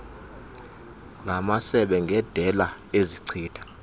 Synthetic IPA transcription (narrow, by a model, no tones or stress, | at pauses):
lamasɛɓɛŋɡʱɛd̥ʱɛlaeziǀʰiːtʰḁ